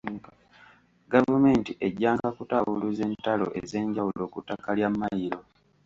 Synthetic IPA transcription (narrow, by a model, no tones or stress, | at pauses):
ɡavume̞ːntiʔe̞ɟːaːŋɡakutawuluze̞ːntalo̞̰ʔeze̞ːɲɟawulo̞ːkutːakaljamːajiɾo̞